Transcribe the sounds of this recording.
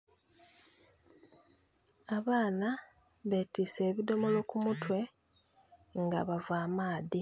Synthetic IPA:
aβaːna | βeːtiːse̞ːβido̞molo̞kumutwe̞ | ŋɡaβavaːmaːði

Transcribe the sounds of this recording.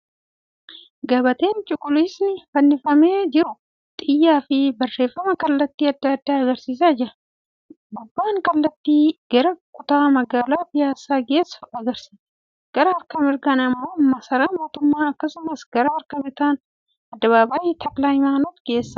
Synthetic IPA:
ɡɐbɐt̪e̞ːnt͡ʃʼʊkʼːʊliːsnɪfɐnːɪfɐmeːd͡ʒɪɾʊ | t̪ʼɪjːaːfɪbɐrːe̞ːfːɐmɐkɐlːɐt̪ːiːɐd̪ːɐɐd̪ːaːɐɡɐɾsiːs̬aːd͡ʒɪɾɐ | ɡʊbːaːŋkɐlːɐt̪ːiːɡ̥ɐɾɐkʼʊt̪aːmɐɡaːlaːpɪjaːsaːɡe̞ːsɐɡɐɾsiːs | ɡ̥ɐɾɐɐɾkɐmɪɾɡɐnɐmːo̞ːmɐsɐɾaːmo̞ːt̪ʊmːaːɐkːɐsʊmɐsɡɐɾɐɐɾkɐbɪt̪aːn | ɐd̪ːɐβaːbɐjɪt̪ʰɐklaːjmaːnot̪ɡe̞ːsːɐ̥

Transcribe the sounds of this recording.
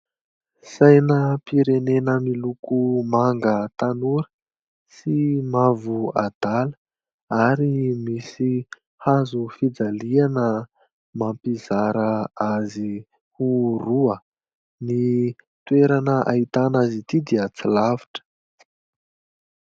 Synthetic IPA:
sajnəpiɾenenəmilukumaŋɡət̪anuɾə̥ | simavua̰d̪̥alə̥ | aɾimisi | hazufid͡zalianə | mampizaɾəazi | huruə | ni | t̪weɾanəʔa̰it̪anazit̪id̪iat͡silaviʈ͡ʂə̥

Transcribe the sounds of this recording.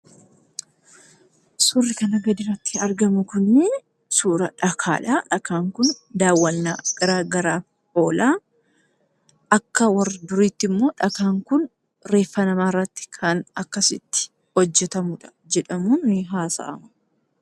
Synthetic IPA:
sʊrːɪkɐnɐɡɐd̪ɪɾɐt̪ːɪɐɾɡɐmʊkʊnːɪ | suːɾɐᶑɐkʰaːᶑaːᶑɐkaːŋkʊnd̪aːwːɐnːaːɡ̥ɐɾaːɡɐɾaː | ʔo̞ːlaː | ʔɐkːɐwɐrd̪ʊɾiːt̪ːɪmːo̞ːᶑɐkaːŋkʊn | ɾe̞ːfːɐnɐmaːrːɐt̪ːɪ̥kʰɐnɐkːɐsɪt̪ːɪ̥ | hɔd͡ʒːɛt̪ɐmʊᶑɐ̥ | d͡ʒɛᶑɐmuːnːɪɦaːsɐ̰ʔɐ̰mɐ̥

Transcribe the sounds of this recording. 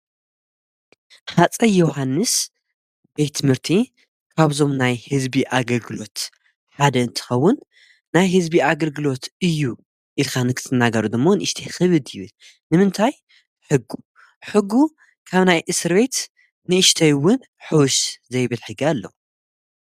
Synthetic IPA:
ħat͡sʼɐjohanːɨs | b̥e̞jt̪ʰːɨmhɨɾt̪ʰi | kʰaβzo̞mnajhɨzbiʔaɡɐlɡɨlo̞t̪ | ħad̪ɐɨnt̪ʰɨ̥xɐwːʊnː | ajɦɨzbiaɡɐlɡɨlo̞t̪ɨjːu | ʔɨlkʰanɨkʰɨ̥t̪ʰɨnaɡɐɾud̪ɨmːo̞nɨʔɨʃt̪ʰexɨβɨd̪jɪβɨl | nɨmɨnt̪ʰaj | ħɨɡːu | ħɨɡːu | kʰaβnajʔɨsɨɾβe̞t̪ | nɨɨʃt̪ʰɐjwʊn | ħɨwʊʃzɐjβɨlħɨɡialːɐ̰

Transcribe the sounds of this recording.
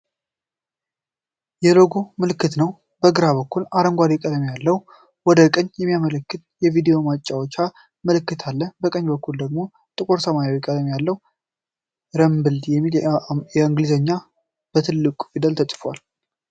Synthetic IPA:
jɛlo̞ɡomɨlɨkːɨt̪nəw | bəɡɨɾaβəkːulaɾəŋɡʷad̪ɛkʼəd̪əmjalːəh | wɔd̪əkʼəɲjɛmːijamələkːɨt̪jɛvid̪ejo̞mat͡ʃʼːawot͡ʃːa | məlɨkːɨt̪ʰalːəbəkʼəɲːbəkːuld̪əɡmo̞ | t̪ʼɨkʼoɾsəmaɾjawjɛkʼəd̪əmjalːəw | ɾəmbɨld̪jɛmːiljɛɨŋɡlizəɲːa | b̥ət̪ʰɨlːɨkʷʼufid̪əlt̪ʰəsʼfwal

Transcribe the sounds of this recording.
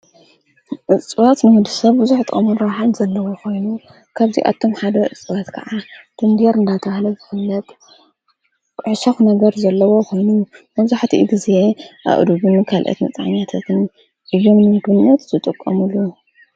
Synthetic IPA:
ʔɨt͡sʼwat̪nɨmɨd̪ɨsɐβbɨzuħt̪ʼʔʼɐmunɾɐwħalz̥ɐlːɐwokʰo̞jnu | kʰaβzḭʔa̰t̪ʰːo̞mħad̪ɐʔɨ̰t͡sʼɨwat̪kʰɐ̰ʕat̪ʰɨnd̪eɾɨnd̪at̪ʰɐhlɐzɨhɨlːɐt̪ | ʕʃɐxnɐɡɐɾzɐlːɐwo̞kʰo̞jnumɐβzaħt̪ʰḭɡize̞ʔa̰ʔd̪ubɨnkʰalʔɐ̰t̪nɐt͡sʼaʕɲat̪ʰat̪ʰɨn | ʔɨjːo̞mnɨmɨd̪ɨɲːɐt̪zɨt̪ʼɨkʼːɐmulːu

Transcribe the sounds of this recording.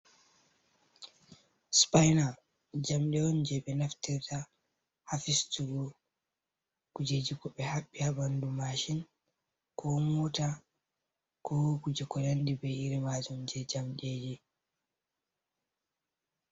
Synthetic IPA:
spajna | d͡ʒamɗɛwɔnd͡ʒɛɓɛnaftɛɾta | hafistuɡɔ | kud͡ʒed͡ʒikɔɓɛhaɓːihabandumaʃin | kʰɔmuta | kɔkud͡ʒɛkɔnandibɛiɾimad͡ʒɔmd͡ʒɛd͡ʒamɗeːd͡ʒi

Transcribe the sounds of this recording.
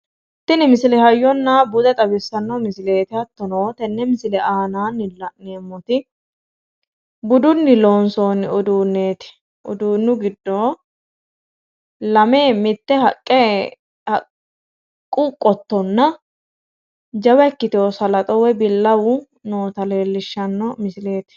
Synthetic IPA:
t̪ːɪnɪmɪsɪlɛhɐjːɔnːabʊd̪ɛt̪ʼɐbɪsːɐnːɔmɪsɪle̞ːt̪ɪɐt̪ːɔnoːt̪ɛnːɛmɪsɪlɛʔaːnaːnːɪlɐneːmːɔt̪ɪ | bʊd̪ʊnːɪloːnsoːnʊd̪uːnːeːt̪ɪ̥ | ʔʊ̰d̪uːnːʊɡɪd̪ːoː | lɐme̞ːmɪt̪ːɛhɐkʼːɛ | hɐ | kʼːʊkʼːɔt̪ːɔnːɐ | d͡ʒɐwɛkːɪt̪oɔsɐlɐt̪ʼɔwɛbɪlːɐwʊ | noːt̪ɐle̞ːlːɪʃːɐnːɔmɪsɪle̞ːt̪ɪ̥

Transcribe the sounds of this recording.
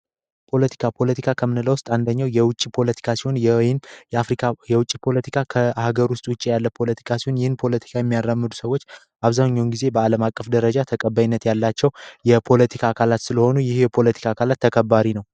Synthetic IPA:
pʰo̞lət̪ʰi̥kʰapʰo̞lət̪ʰikʰakʰəmɨnɨləwʊst̪ʼand̪əɲːawjɛwʊt͡ʃʼːipʰo̞lət̪ʰi̥kʰasihonjnfɾikajɛwʊt͡ʃʼːipʰo̞lət̪ʰikʰakʰəaɡəɾwʊst̪ʼwʊt͡ʃʼijalːəpʰo̞lət̪ʰi̥kʰasihonjɪhɨnpʰo̞lət̪ʰi̥kʰajɛmːijarːəmːɨd̪u̥səwot͡ʃː | ʔaβzaɲːawunɡize̞bəaləmakʼːəfd̪əɾəd͡ʒat̪ʰəkʼəbajinːət̪jalːat͡ʃːɛwjɛpʰo̞lət̪ʰikʰakʰalat̪sɨləho̞nujɪhjɛpʰo̞lət̪ʰi̥kʰakʰalat̪ʰːəkʰəbːaɾinəw

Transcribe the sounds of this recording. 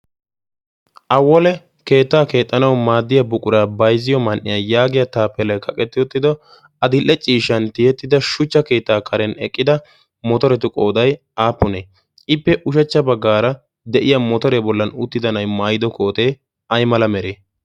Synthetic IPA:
ʔɐwːɔlɛ | ke̞ːt̪ːaːke̞ːt̪ʼːɐnɐwmaːd̪ːɪjɐbʊkʼʊɾaːbɐjzɪjɔmɐnʔːɪjɐjaːɡɪjɐt̪aːpːɛlɐjkʰɐkʼɛt̪ːɪjɔt̪ːɪd̪ɔ | ɐd̪ɪlːɛt͡ʃʼːiːʃɐnt̪ɪjɛt̪ːɪd̪ɐʃʊt͡ʃːɐke̞ːt̪ːaːkʰɐɾɛnɛkʼːɪd̪ɐ | mɔt̪ɔɾɛt̪ʊkʼo̞ːd̪ɐj | aːpːʊne | ɪpːɛʔʊʃɛt͡ʃːɐbɐɡːaːɾɐ | d̪ɛʔɪjɐmɔt̪ɔɾebɔlːɐnʊt̪ːɪd̪ɐnɐjmaːjɪd̪ɔkʰo̞ːt̪eː | ɐjmɐlɐmɛɾeː

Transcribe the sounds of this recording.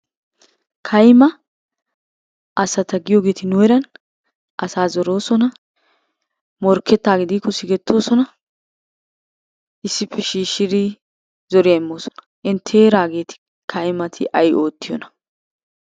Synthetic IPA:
kʰɐjmɐ | ʔɐsɐt̪ɐɡɪjoːɡe̞ːt̪ɪnʊɛɾɐn | ʔɐsaːzɔɾo̞ːsɔnɐ | mɔɾkːɛt̪ːaːɡɪd̪iːkːɔsɪɡɛt̪ʰːo̞ːsɔnɐ | ʔɪsːɪpʰːɛʃiːʃːɪɾi | zɔɾɪjɐɪmːo̞ːsɔ̥nɐ̥ʔɪnt̪ʰeːɾaːɡe̞ːt̪ɪ̥ | kʰɐjmɐt̪ʰɪʔɐjʔo̞ːt̪ːɪjɔ̰nɐ̥

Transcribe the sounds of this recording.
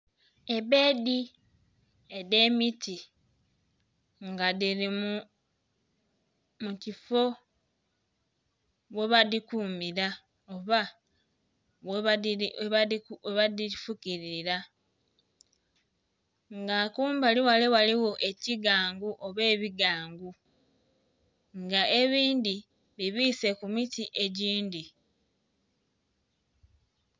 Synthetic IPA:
e̞βe̞ːdi | e̞ðe̞ːmiti | ŋɡaðiɾimu | mucifo̞ | βwe̞βadikuːmiɾa | oβa | we | weβadifukiɾiiɾa | ŋɡakuːmbaliwaliwaliwo̞ʔe̞ciɡaːŋɡuʔo̞βe̞ːβiɡaːŋɡu | ŋɡae̞βiːndi | βiβiːse̞kumitiʔe̞ɟiːndi

